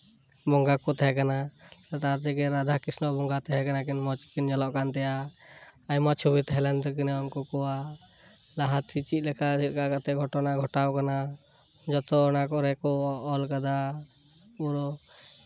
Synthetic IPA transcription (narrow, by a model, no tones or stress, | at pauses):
bɔŋɡakɔt̪ɛɦɛkanat̪at̪aɾt̪ɛkɛɾad̪ʱakisnɔʔbɔŋɡat̪ɛɦɛkanak̬inmɔt͡ʃkind͡ʒɔlɔʔkant̪ɛja | ajmat͡ʃʰubit̪ɛɦɛlɛnd̪ɔk̬inɛɔnkɔkɔwa | laɦat̪it͡ʃit̪̚ˀlɛkasʰit̪ˀkaʔkat̪ɛɡʱɔʈɔnaɡʱɔʈawkana | d͡ʒɔt̪ɔːnakɔɾɛkɔɔlkad̪a | ɔɾɔ